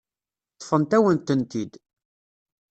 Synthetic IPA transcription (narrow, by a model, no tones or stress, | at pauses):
t̪ˤːfənt̪æwənt̪ənt̪id̪